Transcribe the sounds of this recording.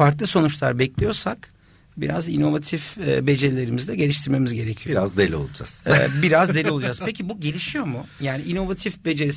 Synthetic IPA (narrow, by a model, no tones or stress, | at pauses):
aɾk̪lˠɯso̞nut͡ʃlˠa̰ɾbɛclʲijo̞ɾsak | bḭɾa̰zino̞vat̪ʰifbe̞d͡ʒelʲe̞ɾimizd̪ɛɟe̞liʃt̪ʰiɾme̞mizɟe̞ɾecʰijoɾazd̪elʲio̞̰lˠud͡ʒa̰sːbiɾazzd̪e̞lʲiolˠud͡ʒaz̥pecibuɟe̞lʲiʃijo̞mʊjaːniino̞vat̪ʰifbe̞d͡ʒeɾi